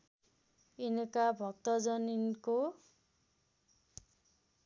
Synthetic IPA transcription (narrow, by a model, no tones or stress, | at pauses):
inʌkabʱʌk̚t̪ʌd͡zʌninko